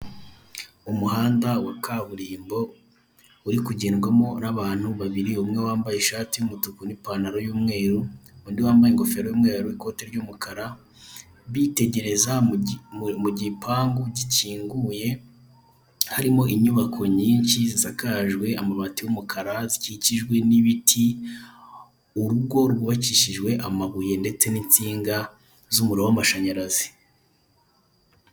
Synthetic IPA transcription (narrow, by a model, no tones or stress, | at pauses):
umuhaːndawakaβuɾiːmbo̞ | uɾikuɟeːnɡwamo̞naβaːn̥huβaβiɾiumŋewaːmbajeʃaːtijumutukunipanaɾo̞juːmŋe̞ːɾuundiwaːmbajeŋɡofeɾojuːmŋeːɾuwiko̞ːteɾɟumukʰaɾa | βite̞ɟe̞ɾe̞za | muɟipʰaːŋɡuɟiciːŋɡuːje̞ | haɾimo̞ʔiɲuβakʰo̞ɲiːɲʃizisakaʒɡwe̞amamatiwumukʰaɾaziciciʒɡwe̞niβitʰi | uɾuɡo̞ɾɡuβaciʃiʒɡwe̞ʔamaβuje̞nde̞t͡se̞nint͡siːŋɡa | zumuɾawamaʃaɲaɾazi